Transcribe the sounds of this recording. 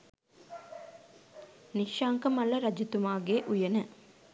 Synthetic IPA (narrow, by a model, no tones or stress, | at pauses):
niʃjaːŋkɐmɐlɐɾɐd͡ʒit̪umaːɡeːʔujɐnə